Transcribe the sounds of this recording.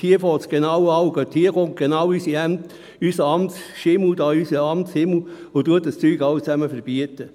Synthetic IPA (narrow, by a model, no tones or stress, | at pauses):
hiəfɔːtsɡ̥enɑwɑwɡ̥øthiəɡont̚ɡ̥enɑwysiɛmt | ysəɑmsʃɪml̩dɑːysəɑmtshɪml̩ʊt̪uət̚dəst͡syːɡɑʊt͡sæməfəɾb̥iətə